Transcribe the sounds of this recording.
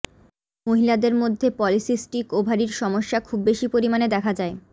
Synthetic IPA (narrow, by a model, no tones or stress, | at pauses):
moɦilad̪eɾmod̪ʱːepɔlisisʈikobʱaɾiɾʃɔmoʃːakʰubːeʃipoɾimaned̪ɛkʰad͡ʑae